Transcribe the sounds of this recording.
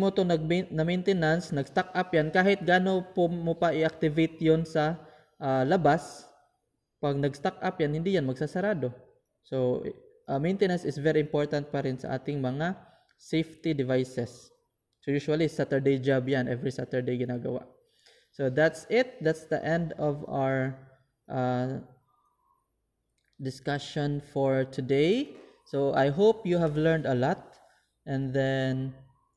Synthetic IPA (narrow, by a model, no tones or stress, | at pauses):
mot̪onɐɡ̚mnɐmejnt̪ɛnansnɐɡst̪ak̚ʔapjankaːhɪt̪̚ɡaːno̞pomopɐʔɪak̚t̪ɪvejt̪jonsɐ | ʔalɐbas | pɐɡ̚nɐɡst̪akʔapjanhɪnd̪iːjanmɐɡ̚sasɐɾaːd̪o̞ | so | ʔɐmejnt̪ɛnansɪsvɛɾiɪmpoɹt̪ɐnt̪̚pɐɾɪnsɐ̰ʔa̰ːt̪ɪŋmɐŋa | sejft̪id̪ɪvajsɛs | sojuːʃualisat̪ɛɹd̪ejd͡ʒabjanʔɛvɹisat̪ɛɹd̪ejɡɪnaːɡɐwa̰ʔ | sod̪at̪sɪt̪̚d̪at̪sd̪ɐ̰ʔɛ̃nd̪ɔva̰wə˞ | ʔa | d̪ɪskaʃɔ̃nfɔɹt̪ʰʊd̪ej | soʔajɦopjuhævlɛɹnd̪ɐlɔt̪̚ | ʔɛ̃nd̪ɛn